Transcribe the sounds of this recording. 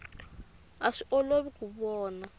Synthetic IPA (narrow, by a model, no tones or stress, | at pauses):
aʂiʔɔloβikuβɔːna